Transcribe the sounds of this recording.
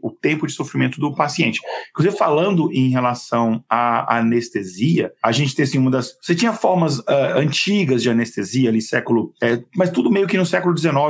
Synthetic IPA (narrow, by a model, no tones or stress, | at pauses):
ʊt̪ẽmpʊd͡ʒɪsofɾimẽnt̪ʊd̪ʊpasiẽnt͡ʃɪ̥ẽkluzivɪfalɐ̃nd̪ʊʔẽj̃ɦelasɐ̃w̃aa̰nest̪eziɐaʒẽnt͡ʃɪ̥t̪eɐsĩũmɐd̪ɐsset͡ʃĩɲɐfɔɾmɐzɛɐ̃nt͡ʃiɡɐzd͡ʒɪanest̪eziɐlisɛkʊlʊɛmɐst̪ud̪ʊmejʊkɪnʊsɛkʊlʊd͡ʒɪzenɔv